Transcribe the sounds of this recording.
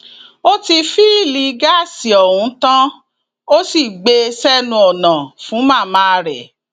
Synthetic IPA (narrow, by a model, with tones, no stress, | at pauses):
o˦ti˧fi˦˨li˧ɡa˦˨si˨ɔ˨ɾũ˨˧˦tã˦ | o˦si˦˨ɡ͡be˧sɛ˦nũ˧ɔ˨nã˨fũ˨˦mã˦˨mã˦˧ɾɛ˨